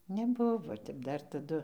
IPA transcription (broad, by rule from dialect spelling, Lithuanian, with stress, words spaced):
nʲɛˈbʊʋoː ˈtʲɛp ˈdɐr tɐˈdʊ